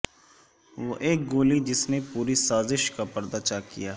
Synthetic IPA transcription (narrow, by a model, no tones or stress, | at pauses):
ʋoʔeːk̚ɡoːlid͡ʒɪsnepuːɾisaːzɪʃkapɐɾd̪aːt͡ʃakijaː